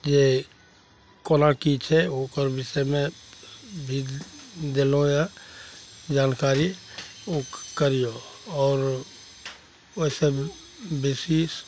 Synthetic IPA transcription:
d͡ʒe | konakit͡ʃʰɛokəɾbɪʃemẽ | bʱidd̪elõja | d͡ʒaːnkaːɾi | okkəɾijoɔːɾ | ose | besiːs

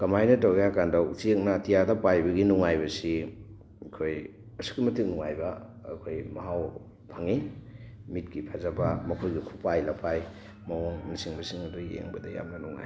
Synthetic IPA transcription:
kɐmajnɐtawɡjakandɐt͡ʃik̚natijadɐpajbɐɡinuŋajbɐsi | kʰoj | ɐsu̥kimɐtʰik̚nuŋajbɐ̰ːkʰojmɐɦaw | pʰɐŋi | mit̚kipʰazɐbɐmɐkʰojɡikʰupajlɐpʰaj | mɐwoŋnisiŋbɐsiŋɐdujḛŋbɐdɐja̰mnɐnuŋa̰j

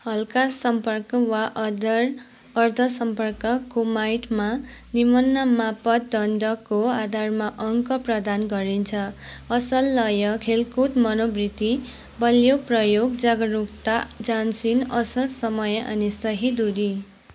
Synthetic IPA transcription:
hʌlkasʌmpʌrkʌwaʔd̪ʌr | ʌrd̪ʱʌsʌmpʌrkʌkumajʈmanimʌnːʌmapʌt̪̚d̪ʌnd̪ʌkoad̪ʱarmaʔʌŋkʌprʌd̪anɡʌɾint͡sʰʌʌsʌlːʌjʌkʰelkut̪mʌnobrit̪i | bʌljoprʌjoɡd͡zaɡʌɾukt̪ad͡zansinʌsʌlsʌmʌjʌʔʌ̰nisʌɦid̪uɾi

